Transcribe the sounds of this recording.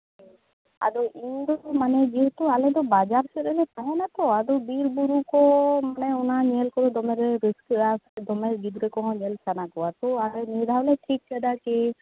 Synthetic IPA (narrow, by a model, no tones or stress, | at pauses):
a̰d̪ɔʔind̪ɔmanɛd͡ʒiɦɛt̪ualɛd̪ɔbad͡ʒaɾseɾɛnɛt̪aɦɔ̃nat̪ɔad̪ɔbiɾbuɾukɔmanɛunaɲelkɔɾɔd̪ɔmeɾeɾiskasd̪ɔmeɾɡid̪ɾɛkɔɦɔ̃ɲelsanakɔwat̪ualɛnid̪ʱalɛʈʰik̚t͡ʃʰɛɖake